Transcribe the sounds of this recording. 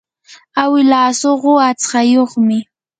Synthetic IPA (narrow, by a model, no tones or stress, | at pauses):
awɪlaːsoɢoat͡sqɑjoχmɪ